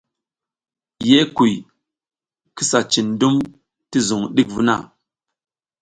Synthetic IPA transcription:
je˦ku˨j | ki˦sa˨t͡ʃi˨ndu˦m | ti˦zu˨ŋɗi˦k̚vu˦na̰˦˨

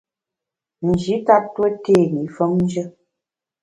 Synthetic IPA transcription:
n̩˨d͡ʒi˨˦ta˦twə˦te˦˨ɣi˨˦fə˦mn˦d͡ʒə˦

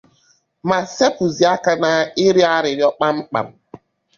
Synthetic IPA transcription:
ma˨se˦pu˨zi˨a˦ka˦na˦ɪ˦ɾi˦a˦ɾɪ˨ɾɪ˦ɔ˦k͡pa˦ŋ͡m̩˦k͡pa̰˨m̩˨

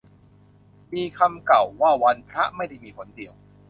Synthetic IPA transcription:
miː˧kʰa˧mka˨˩wːaː˥˩wa˧npʰɾa˦˥ʔma˥˩jda˥˩jmiː˧pʰo˩˦ndi˨˩əw

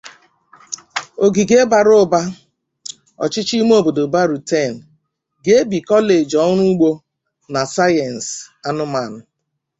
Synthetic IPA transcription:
o˨ɡi˨ɡe˦ba˨ɾo˦ba˦ | ɔ̰˨t͡ʃɪ˦t͡ʃi˦m˦o˦˨bo˨do˨ba˦ɾu˨te˦˨n̩˨ | ɡe˦bi˨kɔ˦le˨d͡ʒɔ˦nu˦ɡ͡bo˦ | na˨sa˦jɛ˨n̩˨sa˦nʊ˦ma˨nʊ˨

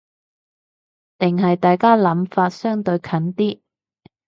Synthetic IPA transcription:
t̪ɪ˨ŋɦɐ˨jt̪aː˨jkaː˥lɐ˨˥mfaː˧t̚sœː˥ŋt̪ɵ˧ɥkʰɐ˨˥nt̪iː˥

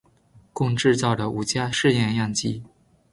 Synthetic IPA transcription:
kʊ˥˧ŋʈ͡ʂɻ̩˥˧t͡sɑ˥˩ʊdə˩u˨˩t͡ɕja˥˧ʂɻ̩˥˧jɛ˥˧njɑ˥˩ŋt͡ɕi˥

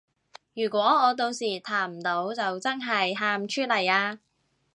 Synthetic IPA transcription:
jyː˨˩kʷɔː˨˥ɔː˨˧t̪̬o˧wsiː˨˩t̪ʰaː˨˩m̩˨˩t̪o˨˥wt͡sɐ˨wt͡sɐ˥nɦɐ˨jɦaː˧mt͡ʃʰyː˥t̚lɐ˨˩jaː˧

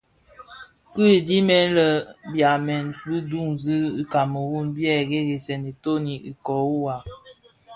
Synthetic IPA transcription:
kɨ˦e˨di˦mɛ˦nlə˦bja˨mɛ˨nbɨ˦du˦˨ŋzi˦i˦ka˨mə˨wu˦˨nbjɛ˦˨ɣe˦ɣe˨sɛ˨ne˨to˦ni˨i˨kɔ˨u˦wa˨

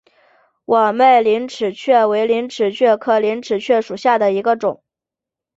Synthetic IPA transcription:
wʔɔ˨˩me˥˩ɪli˧˥nʈ͡ʂʰɻ̩˨˩t͡ɕʰɥɛ˥˩we˧˥ɪli˧˥nʈ͡ʂʰɻ̩˨˩t͡ɕʰɥɛ˥˩kʰɤ˥˩li˧˥nʈ͡ʂʰɻ̩˨˩t͡ɕʰɥɛ˥˩ʂu˨˩ɕja˥˩d̪ə˩i˧˥ɡə˧ʈ͡ʂʊ̰˨˩˦ŋ

